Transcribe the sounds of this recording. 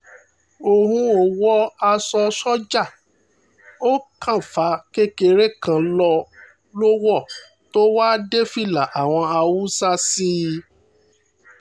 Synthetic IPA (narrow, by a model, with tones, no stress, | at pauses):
o˨hũ˧o˨wɔ˦a˧sɔ˧sɔ˦d͡ʒa˦˨ | o˦kʰã˦˨fa˨˧˦ke˦ke˧ɾe˦kã˧lɔ˧ | lo˦wɔ˦˨ | to˦waː˦de˦fi˦˨la˨ʔa˨w̃ɔ̃˧a˧wu˦sa˦si˦